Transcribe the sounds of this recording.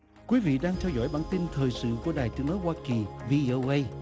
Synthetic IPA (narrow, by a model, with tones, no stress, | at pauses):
kwi˨˦vḭ˧˨ɗaː˧ŋt̪ʰɛ˧wzɔ̰˧˥˨jɓaː˧˩nt̪i˧nt̪ʰəː˨˩jsɨ̰˧˨ku˧˩əɗaː˨˩jt̪ɨ˨˦əŋnɔ˨˦jhwaː˧ki˨˩vi˧ʔo˧ʔə˧j